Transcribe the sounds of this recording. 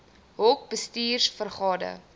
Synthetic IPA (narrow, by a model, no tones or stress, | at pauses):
ɦɔk̚bəstiːrsfərχɑːdə̰